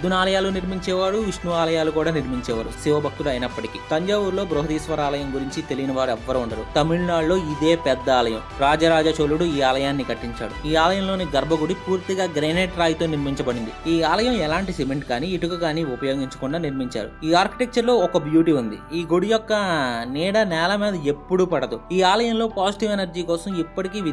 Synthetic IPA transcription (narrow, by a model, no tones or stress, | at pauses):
d̪unaːlɐjaːluniɾmiɲt͡ʃɛːʋaːɽuiʂnuaːlɐjaːlukuːɽaːniɾmiɲt͡ʃɛːʋa̰ːɽusiʋɐbʱɐk̚t̪ulɐjnɐpːɐʈikiːt̪ɐɲd͡ʒaːʋuɾlo̞ːbɾoɦɐd̪iːsʋɐɾaːlɐjɐmɡuɾiɲt͡ʃit̪e̞lijinɐʋaːɾɛʋːɐɾuuɳɖɐɾut̪ɐmiɭnaːɽlo̞ːid̪eːpɛd̪ːɐaːlɐjɐmɾaːd͡ʒɐɾaːd͡ʒɐt͡ʃoːluɽuiːaːlɐjaːnːikɐʈːiɲt͡ʃa̰ːɽuiːaːlɐjɐmlo̞ːniɡɐɾbʱɐɡuɽipuːɾt̪iɡaːɡɾeːneːʈɾaːjt̪o̞ːniɾmiɲt͡ʃɐbɐɽind̪iiːaːlɐjɐmɛlaːɳʈisimeɳʈkaːniiʈukɐkaːniupɐjo̞ːɡiɲt͡ʃɐ̥kuɳɖaːniɾmiɲt͡ʃa̰ːɽṵiːaːɾki̥ʈek̚t͡ʃɐɾlo̞ːɔkɐbjuːʈiːund̪ḭiːɡoɽijɔkːɐniːɽɐnɛːlɐmɛːd̪ɐepːuɽupɐɽɐd̪uiːaːlɐjɐmlo̞ːpaːsiʈiʋenɐɾd͡ʒiːkɔːsɐmipːɐʈikiːʋi